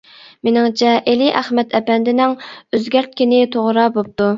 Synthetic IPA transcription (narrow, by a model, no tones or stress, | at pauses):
menɪŋt͡ʃʰɛʔeliʔæχmɛt̪ʰɛpɛnd̪ɪnɪŋøzɡʲæɾt̪̚kʲinɪt̪ʰoʁɾɑbop̚t̪u